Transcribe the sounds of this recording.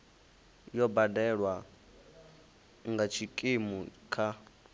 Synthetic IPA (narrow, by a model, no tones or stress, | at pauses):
jɔbadɛɺwa | ŋɡat͡ʃʰikʼimukʰa